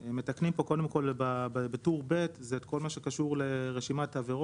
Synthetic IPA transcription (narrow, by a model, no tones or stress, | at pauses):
emːe̞taknimpo̞ko̞de̞mko̞lbabbetuʁbe̞tzeːtkʰo̞lmaʃe̞kaʃuʁle̞ʁeʃimat̪have̞ʁo